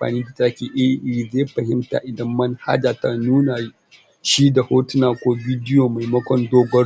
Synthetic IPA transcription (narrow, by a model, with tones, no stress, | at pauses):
ɸa̰ː˨niː˦da˨ta˦kʲeː˨ʔɛ˦i˨zeː˦ɸɐ˨ɦɪ˦mta̰˨ʔɪ˨dɐ˦mːɐ˦nha̰˦d͡ʒaː˨ta˨nuː˦na˨ | ʃi˦da˨hoː˦tʊ˦naː˨kʷoː˦bʲiː˦dɪ˦joː˨ma˨jmɐ˦kʷɔ˦ndoː˦ɡʷɐ˦